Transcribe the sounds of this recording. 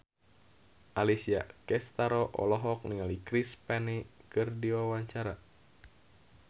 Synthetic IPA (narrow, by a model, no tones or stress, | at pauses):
ʔalisia̰kɛst̪aɾɔʔɔ̰lɔɦɔk̚niŋalikɾispɛnikɨrdiwawaɲt͡ʃaɾa